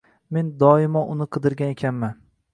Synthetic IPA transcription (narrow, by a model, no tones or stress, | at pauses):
me̞nd̪ɒɪmɒʔʊnɪqʰɨd̪ɪɾɡʲanekʲʰanman